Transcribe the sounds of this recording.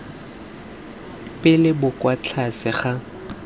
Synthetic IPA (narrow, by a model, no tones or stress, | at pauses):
pɪlɪbʊkwat͡ɬʰasɪχa